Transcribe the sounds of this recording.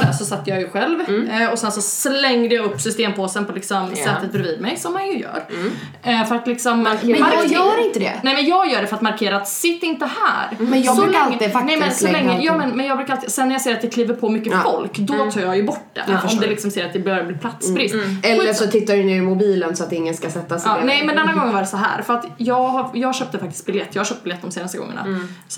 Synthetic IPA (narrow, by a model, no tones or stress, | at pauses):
d̪æ̰sɔsat̪ːəjɑːjɵɧɛlvɔsɛnsɔslɛŋd̪əjɑɵpːsʏst̪eːmpʰoːsənpʰɔlɪksɔmsɛːt̪ːət̪̚bɾɪviːd̪mɛjsɔmːanjɵjœ̰ːɾ | fœɾat̪lɪksɔmː | ɾɪnt̪əd̪ɛ̰nɛjmɛnjɑːɡjœːɖɛfœɾat̪maɾkʰeːɾaːt̪sɪt̪ːɪnt̪əhæ̰ːɾmɛnjbsɔlːalːɪanɛmɛnsɔlɛŋːəjɑːmɛnmɛnjɑɡbɾʉːkaalɪsɛnːæɾjaseːɾat̪̚d̪ɛkʰliːvəɾpʰɔmʏkːəfɔlkd̪ɔt̪ʰɑːɾjɑjɵbɔʈːd̪ɛ̰fɔmdd̪ɛlɪksɔmseːɾat̪d̪ɛbɛhœːvəɾbliːpʰlat̪sbɾɪst̪ɛlːəʂɔt̪ʰɪt̪ːaɖɵnʉmʊbiːlənsɔat̪ɪŋːənskasɛt̪ːasːnɛmɛnd̪ɛnːaɡɔŋːənvaɖɛsɔɦæ̰ːɾfœɾat̪jɑːɡhajɑːɡɕøːp̚t̪əfak̚t̪ɪ̥st̪bɪljɛt̪ːjɑːhaɾɕœːp̚t̪̚bɪljɛt̪ːd̪ɔmseːnast̪əɡɔ̰ŋːə̰ɳa̰s